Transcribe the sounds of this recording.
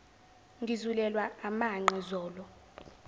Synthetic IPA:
ŋɡʱizulɛlwaamaŋ͡ǀʱɛzɔːlɔ

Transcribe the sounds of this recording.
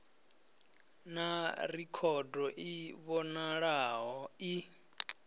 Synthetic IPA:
narikʰɔdɔʔiβɔnaɺaɦɔi

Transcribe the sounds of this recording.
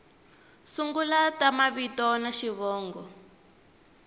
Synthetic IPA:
suŋɡulatamaβitɔnaʃiβɔːŋɡɔ

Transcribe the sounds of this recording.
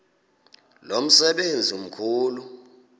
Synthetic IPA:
lom̩sɛɓend͡zʱium̩kʰuːlu

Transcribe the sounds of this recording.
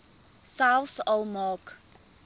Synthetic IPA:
salsɔlˠmɑːk

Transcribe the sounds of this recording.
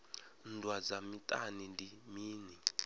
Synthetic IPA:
ndʱwad͡zamitʼa̰nindimiːni

